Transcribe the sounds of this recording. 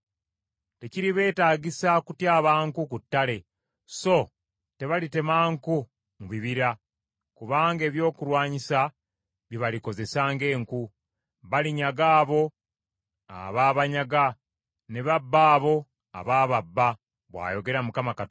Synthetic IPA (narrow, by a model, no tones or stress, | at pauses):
te̞ciɾiβe̞ːtaːɟisakutjaːβaːŋkukutːale̞ | so̞ | te̞βalite̞maːŋku | muβiβiɾa | kuβaːŋɡe̞ːβjo̞ːkuɾwaːɲisa | βiβaliko̞ze̞saːŋɡe̞ːŋku | βaliɲaɡaːβo̞ | a̰βaːβaɲaɡa | ne̞βabːaːβo̞ | a̰βaːβabːa | βwa̰ːjo̞ɡe̞ɾamukamakat